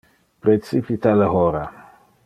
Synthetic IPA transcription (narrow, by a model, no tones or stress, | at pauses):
pɾet͡sipit̪aləɦoɾa